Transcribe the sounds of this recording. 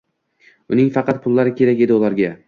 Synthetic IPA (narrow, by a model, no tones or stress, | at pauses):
ʊnɪŋfɑqɑt̪̚pʰʊlˠːaɾɪkʲʰe̞ɾakʲe̞d̪ɪʊlˠaɾɡʲa